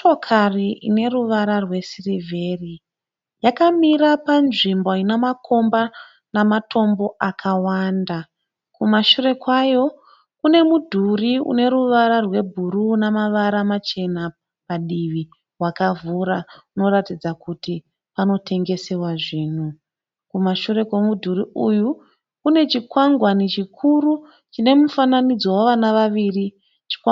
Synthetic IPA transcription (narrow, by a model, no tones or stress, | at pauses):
ʃokʰariʔḭne̞ruʋaɾarwe̞sirivʱe̞ri | jakamiɾapanʐimboinemakʰo̞mba | namatʰo̞mbo̞ʔakʰawanda | kumaʃure̞kwajo̞ | kune̞mudʱuriṵne̞ɾuʋaɾarwe̞bʱuɾuːnamaʋaɾamat͡ʃe̞na | paɗiʋi | ɦwakavuɾauno̞ɾatid͡zakuti | pano̞tʰe̞ŋɡe̞se̞waʐiːn̤u | kumaʃuɾe̞kwe̞mudʱuɾiʔuju | kune̞t͡ʃikwaŋɡwanit͡ʃikʰuɾu | t͡ʃine̞mufananid͡zowaʋanaʋaʋiri | t͡ʃi̥